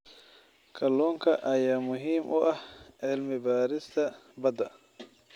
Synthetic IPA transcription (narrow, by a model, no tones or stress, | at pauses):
kʰɐlɔːŋkʰɐʔɐjaːmʊɦiːmʔʊʔɐhʕɪlmɪbaːɾɪst̪ʰɐbɐd̪ɐ